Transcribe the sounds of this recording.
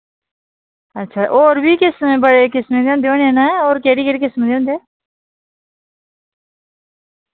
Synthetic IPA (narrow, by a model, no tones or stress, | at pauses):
ətːʃʰaːʔoːɾbʱiːkɪsmebəɽekɪsmẽd̪eõːnd̪eõːnenaoːɾkeːɽiːkeːɽikɪsmd̪eõːnd̪eː